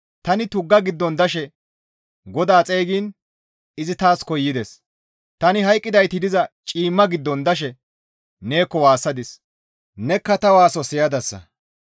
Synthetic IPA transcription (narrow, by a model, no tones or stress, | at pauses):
t̪ɐnɪt̪ʊɡːɐɡɪd̪ːɔnd̪ɐʃɛ | ɡɔd̪aːt͡sʼeːɡiːn | ɪzɪt̪aːskɔjːɪd̪ɛs | t̪ɐnɪɦɐjkʼːɪd̪ɐjt̪ɪd̪ɪzɐt͡ʃʼiːmːɐɡɪd̪ːɔnd̪ɐʃ̬ɛ | ne̞ːkːɔwaːsːɐd̪ɪs | nɛkːɐt̪ɐwaːsɔsɪjɐd̪ɐsːɐ̰